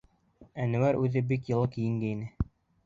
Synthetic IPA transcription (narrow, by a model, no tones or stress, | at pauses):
ænɘ̆wæɾʉðɘbikjɤ̆lˠɤkijɘ̆ŋɡɘinɘ